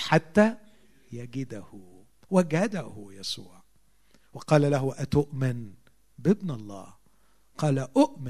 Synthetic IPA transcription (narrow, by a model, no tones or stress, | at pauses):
ħat̪ːæ | jaɡɪd̪ahʊ | waɡæd̪ahʊjæsṵːʕ | wɑqɑːlalaɦʊʔæt̪ʊʔmɪn | bɪbnɑlˤːɑ̰ːh | qɑːlaʔʊʔmɪ